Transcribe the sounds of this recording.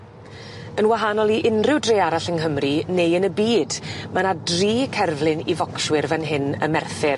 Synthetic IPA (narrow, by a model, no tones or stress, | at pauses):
ənwaɦanɔlˠiʔɪnrɪwdrejaɾaɬəŋɦəmrinejənəbiːdmanadriːkʰɛrvlˠɪnḭvɔkswɪrvɛnɦɪnə̰mɛrθɪr